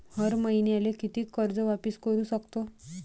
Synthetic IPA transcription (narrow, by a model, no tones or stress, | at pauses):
həɾməjnialekit̪iːkːəɾd͡zəʋapiskəɾuːsəkt̪o